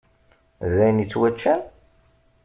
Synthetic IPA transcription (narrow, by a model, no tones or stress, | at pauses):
ðæjənit͡sːwæt͡ʃːæn